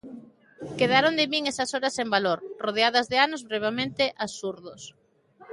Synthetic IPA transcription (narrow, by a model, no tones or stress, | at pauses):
keðaɾond̪emiŋesɐsoɾɐsembaloɾroð̞eaðɐzðeanozβɾeβ̞emẽnt̪ɪʔasuɾðʊs